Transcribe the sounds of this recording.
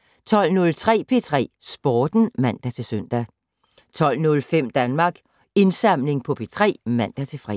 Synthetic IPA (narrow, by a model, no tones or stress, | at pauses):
t͡sʰɒ̽l̰nɔ̽lt͡sʰʁɛ̰ːpʰe̝t͡sʰʁɛ̰ːsb̥ɒːd̥n̩mæn̰d̥æt͡sʰe̝søn̰d̥æ | t͡sʰɒ̽l̰nɔ̽lfem̰d̥ænmɑ̈ːɡ̥ | e̝nsɑ̈m̰le̝ŋpʰɒ̽pʰe̝t͡sʰʁɛ̰ːmæn̰d̥æt͡sʰe̝lfʁɛ̰